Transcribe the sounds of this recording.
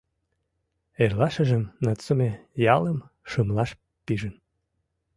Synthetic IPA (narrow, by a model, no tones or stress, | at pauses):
erlɑʃə̆ʒə̆mnɑt͡somejɑlə̆m | ʃɯmlɑʃ | piʒə̆n